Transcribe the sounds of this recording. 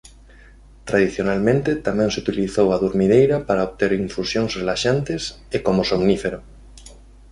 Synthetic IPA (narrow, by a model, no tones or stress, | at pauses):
t̪ɾað̞iθjonalmẽnt̪et̪amẽŋseut̪iliθowaðuɾmiðejɾapaɾaoβt̪eɾiɱfusjoŋsrelaʃant̪es | ekomosomnifeɾo